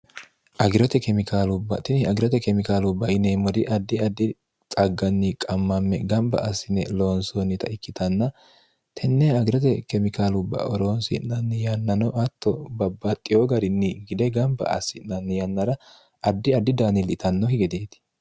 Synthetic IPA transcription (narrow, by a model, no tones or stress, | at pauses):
ʔɐɡɪɾɔt̪ɛkɛmɪkʰaːlʊbːɐt̪ɪnɪɐɡɪɾɔt̪ɛkɛmɪkaːlʊbːɐɪneːmɔd̪ɪʔɐd̪ːɪɐd̪ːɪ | t͡sʼɐɡːɐnːɪkʼɐmːɐmːɛɡɐmbɐ̰ɐsːɪnːɛloːnsoːnːɪt̪ɐɪkːɪt̪ɐnːɐ | t̪ʰɛnːɛɐɡɪɾɔt̪ɛkɛmɪkaːlʊbːɐ̰ʔɔɾoːnsɪ̰nːɐnːɛjɐnːɐnɔʔɐt̪ʰːɔbɐbːɐt̪ʼːɪjoɡɐɾɪnːɪɡɪd̪ɛɡɐmbɐ̰ɐ̰sːɪnːɐnːɛjɐnːɐɾɐ | ɐd̪ːɪɐd̪ːɪd̪aːnɪlʔɪt̪ɐnːɔhɪɡɛd̪eːt̪ɪ̥